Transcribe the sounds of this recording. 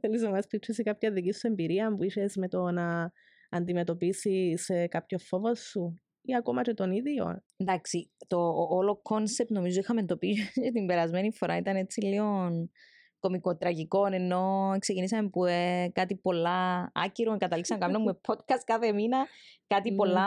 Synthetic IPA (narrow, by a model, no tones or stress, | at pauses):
θelizomɐst̪it͡ʃisikɐpçɐðicisue̞mbiɾiɐmpuiʃe̞sme̞t̪o̞nɐː | nd̪ime̞t̪o̞pisisekapçofovosːu | iɐkomɐt͡ʃet̪o̞niðjo̰ | nd̪ɐksit̪o̞ːlokʰo̞nsep̚t̪no̞mizo̞ixɐmend̪opiet̪imbe̞ɾɐzme̞nifo̞ɾʔɐit̪ɐne̞t͡silio̞n | ko̞mikot̪ɾɐʝiko̞ne̞nːo̞eksecinis̬ɐmepuekɐt̪ipo̞lːɐɐ̰ciɾokɐt̪ɐliksɐmekɐmenɐmːumepʰot̪kɐst̪̚kɐθeminɐkɐt̪ipo̞lːɐ